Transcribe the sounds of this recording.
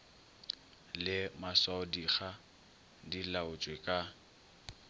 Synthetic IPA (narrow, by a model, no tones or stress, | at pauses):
lɪmaswaʊdiχa | dilaʊt͡ʃʼwekʼa